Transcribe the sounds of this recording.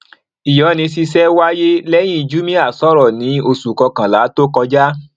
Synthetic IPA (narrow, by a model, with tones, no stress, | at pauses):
i˨jɔ˨˦˨nĩ˧si˧sɛ˦wa˦je˦lɛ˦j̃ĩ˦i˧˨d͡ʒu˦mĩ˦a˦˨sɔ˦ɾɔ˦˨nĩ˨˦o˧su˨kɔ˧kã˨la˨˦to˦kɔ˧d͡ʒa˦